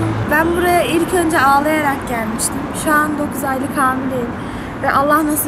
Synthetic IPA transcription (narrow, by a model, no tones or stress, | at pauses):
bænbuɾajaʔilʲcʰø̞nd͡ʒɛaːlˠajaɾak̚ɟælʲmiʃt̪ʰimʃuand̪o̞kʰuzajlˠɯkʰaːnid̪ejilʲ | vɛʔalˠːahnasɯ